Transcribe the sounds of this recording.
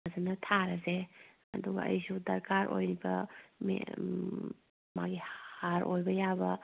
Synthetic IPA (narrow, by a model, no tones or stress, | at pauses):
zɐnɐtʰaɾɐze | ɐduɡɐ̰ɐ̰jsudɐɾkaɾʔo̰jɾibɐmḛ | ma̰ɡihaɾʔojbɐjabɐ